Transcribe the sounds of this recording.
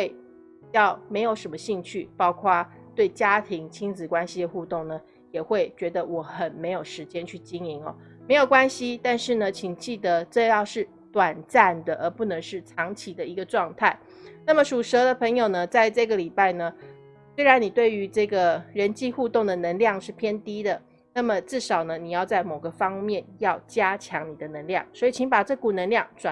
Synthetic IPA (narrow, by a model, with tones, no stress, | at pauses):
xwe˥˧ɪ | jɑ˥˩ʊme˧˥ɪjo˨˩ʊʂə˧˥nmə˧ɕi˥˧ŋt͡ɕʰy˥˩pɑ˥ʊkʰwa˥˧ | t̪we˥˩ɪt͡ɕja˥t̪ʰi˧˥ŋt͡ɕʰi˥ŋnt͡sɹ̩˨˩kwa˥nɕi˥d̪ə˨xu˥˧t̪ʊ˥˩ŋnə˩ | jɛ˨˩xwe˥˩ɪt͡ɕɥɛ˧˥d̪ə˧wɔ˨˧˩xə˨˩nme˧˥ɪjo˨˩ʊʂɻ̩˧˥t͡ɕjɛ˥nt͡ɕʰy˥˩t͡ɕi˥ŋi˧˥ŋɔ̰˧˦ | me˧˥ɪjo˨˩ʊkwa˥nɕi˥t̪a˥˧nʂɻ̩˥˩nə˩t͡ɕʰi˨˩ŋt͡ɕi˥˩d̪ə˩˦t͡sə˥˧ɪjɑ˥˧ʊʂɻ̩˥˩ | t̪wa˨˩nt͡sa˥˩nd̪ə˩ʔə˞˧˥pu˥˩nə˧˥ŋʂɻ̩˥˩t͡sʰɑ˧˥ŋt͡ɕʰi˨d̪ə˦i˧˥ɡə˧ʈ͡ʂwɑ˥˧ŋt̪ʰa˥˩ɪ | na˥˩mə˨˩ʂu˨˩ʂɤ˧˥d̪ə˧pʰə˧˥ŋjo˨˩ʊnə˦t͡sa˥˧ɪʈ͡ʂɤ˥˩ɡə˩li˨˩pa˥˩ɪnə˩ | swe˥ɪa˧˦˥nni˨˩t̪we˥˩ɪy˧˥ʈ͡ʂɤ˥˩ɡə˩ɻə˧˦˥nt͡ɕi˥˧xu˥˧t̪o˥˩ŋd̪ə˩nə˧˥ŋljɑ˥˧ŋʂɻ̩˥˩pʰjɛ˥nt̪i˥d̪ə˨ | na˥˩mə˨ʈ͡ʂɻ̩˥˩ʂɑ˨˩ʊnə˦ni˨˩jɑ˥˧ʊt͡sa˥˩ɪmo˨˩ɡə˦fɑ˥ŋmjɛ˥˨njɑ˥˩ʊt͡ɕja˥t͡ɕʰjɑ˧˥ŋni˨˩d̪ə˦nə˧˥ŋljɑ̰˥˩ŋswɔ˧˥i˨˩t͡ɕʰi˧˥ŋpa˨˩ʈ͡ʂɤ˥˩ku˨˩nə˧˥ŋljɑ˥˩ŋʈ͡ʂwa˨˩